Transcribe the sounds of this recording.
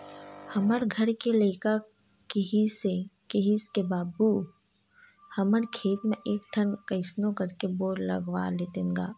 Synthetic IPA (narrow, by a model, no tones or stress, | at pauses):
həməɾɡʱəɾkeleːka | kiɦisekeɦiskebaːd̪buː | həməɾkʰeːt̪mẽʔeːk̚ʈ̪ʰənkɐɪsnõkəɾkeboːɾlɐ̰ɡwa̰leːt̪ẽŋɡa̰ː